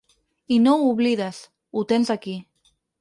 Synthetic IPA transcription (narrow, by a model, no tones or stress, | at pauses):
inõuβliðas | ut̪ensaki